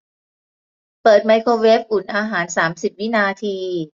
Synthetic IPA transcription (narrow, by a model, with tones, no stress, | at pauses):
pɤː˨˩t̪̚ma˧˥jkʰoː˧we˦˥p̚ʔu˨˩nʔaː˧ɦaː˩˦nsaː˩˦msi˨˩p̚wi˦˥naː˧t̪ʰiː˧